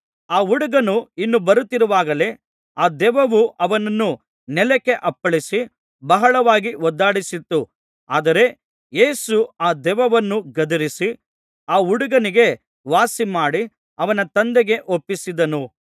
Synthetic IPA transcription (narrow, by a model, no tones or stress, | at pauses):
aːuɽuɡɐnuinːubɐɾut̪ːiɾuʋaːɡɐle̞ | aːd̪ɛʋɐʋuʔɐʋɐnɐnːu | nɛlɛkːe̞ʔɐpːɐɭisi | bɐɦɐɭɐʋaːɡiɔd̪ːaːɽisit̪ːu | aːd̪ɐɾe̞ | je̞ːsuaːd̪ɛʋɐʋɐnːuɡɐd̪ɐɾisi | aːuɽuɡɐniɡe̞ | ʋaːsimaːɽi | ɐʋɐnɐt̪ɐnd̪eɡe̞ʔopːisid̪ɐnu